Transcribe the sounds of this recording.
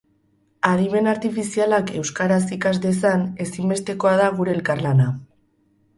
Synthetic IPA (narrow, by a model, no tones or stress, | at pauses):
aðime̞naɾt̪ifisialake̞wskaɾasikazd̪e̞sane̞simbe̞st̪e̞ko̞að̞aɣ̞uɾe̞ːlkarlana